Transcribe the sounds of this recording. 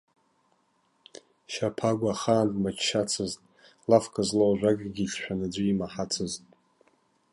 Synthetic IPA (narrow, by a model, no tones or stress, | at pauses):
ʃapʰaɡʷaχaːndʼmat͡ʃʰʃat͡sʰɨztʼ | lafkʰazlowʒʷakʼɡʲiɬʃʷᶣanɨd͡ʒʷiimaħat͡sʰɨztʼ